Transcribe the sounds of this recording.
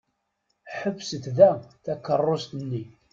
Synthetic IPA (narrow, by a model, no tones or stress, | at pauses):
ħəvsəθðæθækːərˤːost̪ənːi